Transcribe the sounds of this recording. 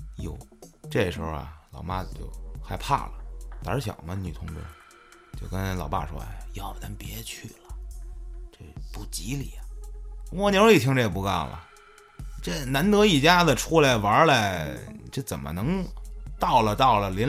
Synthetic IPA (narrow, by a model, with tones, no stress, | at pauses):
jo˨˩ʊʈ͡ʂɤ˥˩ʂɻ̩˧˥xʊ˧a̰˨˩lɑ˨˩ʊma˥t͡ɕjo̰˥˧ʊxa˥˧ɪpʰa̰˥˩lə˩t̪ə̰˧˥ɕjɑ̰˨˩ʊmə˦ny˨˩t̪ʰʊ˧˥ŋʈ͡ʂə̰˧˥ | t͡ɕjo˥˧ʊkə˥nlɑ˨˩ʊpa̰˥˩ʂwɔ̰˥˧˩jɑ˥˩ʊna˧˥npjɛ˧˥t͡ɕʰy˥˩lə˩ | ʈ͡ʂə˥˩pu˥˩t͡ɕi˧˥li˨˩˦a˧˩mɔ˥˩n˧˥li˨˩t̪ʰi˥ŋʈ͡ʂə˥˩jɛ˨˩pu˧˥˧kɑ˥˩ʊlə̰˩ | ʈ͡ʂə˥˩na˧˥nt̪ɤ˧˥i˨˩t͡ɕja˥d̪ə˨ʈ͡ʂʰu˥la˧˩ɪʋə˧˥la˥˧˩ʈ͡ʂə˥˩t͡sə˨˩nmə̰˦nɤ˧˥ŋt̪ɑ˥˩ʊlə˨t̪ɑ˥˩ʊlə˩ljɛ˧˥n